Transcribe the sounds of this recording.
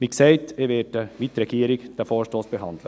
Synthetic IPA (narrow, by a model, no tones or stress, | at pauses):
ʋiksɛɪteʋɛːdəʋit̪ɾɛɡ̥iːəɾɪkd̥æfɔːɾʃtoːsb̥eɦɑnd̪lə